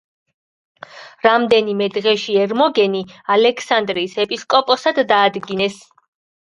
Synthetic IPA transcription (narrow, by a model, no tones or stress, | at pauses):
ɾamd̪ɛnimɛd̪ʁɛʃiɛɾmɔɡɛnialɛkʰsand̪ɾiːsɛpʼiskʼɔpʼɔsad̪ːaːd̪ɡinɛs